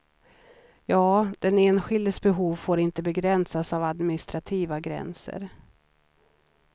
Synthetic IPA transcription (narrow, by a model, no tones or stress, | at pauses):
jɑːd̪̥ɛneːnɧɪld̪əsbɛɦuːvfoːɾɪnt̪əbɛɡɾɛnsasavad̪mɪnɪst̪ɾat̪ʰiːvaɡɾɛ̰nsə̰ɾ